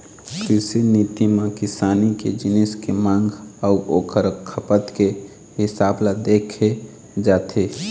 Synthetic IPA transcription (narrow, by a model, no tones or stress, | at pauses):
kɾɪsiniːt̪imãkɪsaːnikḛd͡ʒɪnɪskemãːŋɡʱɔuʔoːkʰəɾkʰəpət̪ke | ɦɪsaːblad̪eːkʰe | d͡ʒaːt̪ʰe